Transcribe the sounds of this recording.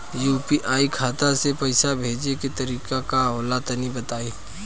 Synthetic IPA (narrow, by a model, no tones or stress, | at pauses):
juːpiʔaːikʰaːt̪asepɐɪsabʱeːd͡ʒeket̪ɐɾiːkakaɦoːlat̪nibɐt̪aːiː